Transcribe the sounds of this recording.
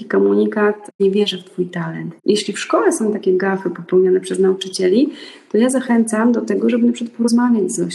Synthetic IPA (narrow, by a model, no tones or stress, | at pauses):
ikɔmuɲikat̪ɲɛvʲjɛʐɛft̪fujt̪alɛnt̪jeɕlʲifʂkɔlɛsɔ̃w̃t̪akʲɛɡafɘpɔpɛwɲanɛpʂɛznaut͡ʂɘt͡ɕɛlʲit̪ɔjazaxɛnt̪samd̪ɔt̪ɛɡɔʐɛbɘnapʂɨ̥kat̪̚pɔɾɔzmavʲjad͡ʑzɔɕ